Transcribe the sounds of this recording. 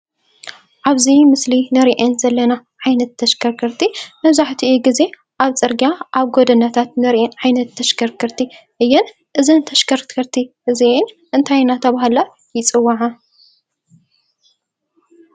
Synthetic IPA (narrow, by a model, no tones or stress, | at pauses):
ʔaβzimɨslinɨɾiʔenzɐlːɐnaʕajnɐt̪ʰːɐʃkʰɐɾkʰɨɾt̪ʰimɐβzaħt̪ʰiʔuɡize̞ | ʔaβt͡sʼɨɾɡiaʔaβɡod̪ɐnat̪ʰat̪nɨɾiʔɛnʕajnɐt̪ʰːɐʃkʰɐɾkʰɨɾt̪ʰiʔɨjːɛn | ʔɨzɨnt̪ʰɐʃkʰɐɾkʰɨɾt̪ʰiʔɨziʔɪn | ʔɨnt̪ʰajnat̪ʰɐβaɦala | jɪt͡sʼɨwːaʕa